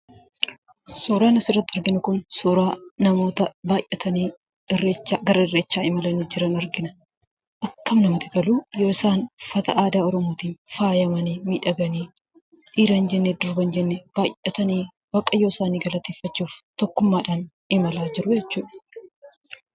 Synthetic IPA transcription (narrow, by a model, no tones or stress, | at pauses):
suːɾaːnɐsɪrːɐt̪ːɪɐɾɡɪnʊkʊnsuːɾaːnɐmo̞ːt̪ɐbaːjʔɛt̪ɐniː | ɪrːeːt͡ʃːaːɡɐɾɐɪrːeːt͡ʃːaːɪmɐlɐniːd͡ʒɪɾɐnɐɾɡɪnɐ̥ | ʔɐkːɐmnɐmɐt̪ɪ̥t̪ɐluːjoːɪsaːnfɐt̪ɐʔaːd̪aːɔɾɔmoːt̪iːnfaːjɐmɐniːmiːᶑɐɡɐniː | ᶑiːɾɐnd͡ʒɛnːeːd̪ʊɾbɐnd͡ʒɛnːeb̥aːjʔɐt̪ɐniː | bɐkʼɐjoːɪsaːniːɡɐlɐt̪eːfːɐt͡ʃːuːft̪ɔkːʊmːaːᶑaːn | ɪmɐlaːd͡ʒɪɾʊjɛt͡ʃːuːᶑɐ̥